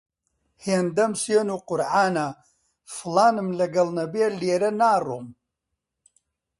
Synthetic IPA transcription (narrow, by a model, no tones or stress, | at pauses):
heːnd̪ɐmseːnuːqʊɾʕaːna | fɨlaːnɨmlɐɡɐlˠnɐbeːleːɾɐnaːrom